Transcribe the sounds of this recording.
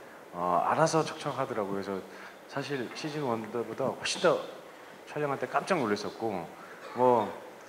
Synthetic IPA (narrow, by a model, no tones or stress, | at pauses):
ʌ̰a̰ɾasʰʌt͡ɕʰʌk̚t͡ɕʰʌkɦadɯɾaɡokeesʰʌ | sʰaɕ̬ʰiɭɕʰid͡ʑinwʌndʌbodahoɭɕ͈indʌ | t͡ɕʰʌʎːʌŋɦaɭt͈ek͈am̚t͡ɕ͈aŋnoɭːes͈ʌt̚k͈o | mwʌ